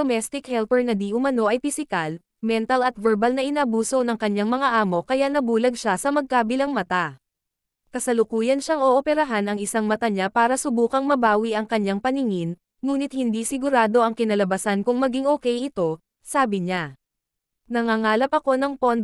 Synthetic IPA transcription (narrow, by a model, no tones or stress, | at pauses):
omɛst̪ɪkhɛlpɛɹnɐd̪iʔʊmɐno̞ʔɐjpɪsɪkal | mɛnt̪ɐlɐt̪vɛɹbɐlnɐʔɪnɐʔːbuːso̞nɐŋkɐɲːaŋmɐŋaʔaːmo̞kɐjanɐbuːlɐɡ̚ʃasɐmɐɡ̚kaːbɪlɐŋmɐt̪a | kɐsɐlʊkuːjɐnʃaŋʔoʔopɛɾɐɦanɐŋɪsaŋmɐt̪aɲapaːɾɐsʊbuːkɐŋmɐbaːwiʔɐŋkɐɲːaŋpɐnɪŋɪnː | uːnɪt̪̚hɪnd̪isɪɡʊɾaːd̪o̞ʔɐŋkɪnɐlɐbɐsankʊŋmɐɡiŋʔoːkɛjɪt̪o̞ | saːbɪɲa | nɐŋaŋaːlɐpɐko̞nɐŋpond̪